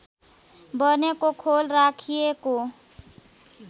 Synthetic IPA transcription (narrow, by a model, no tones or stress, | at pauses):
bənekokʰoːlɾaːkʰiekoː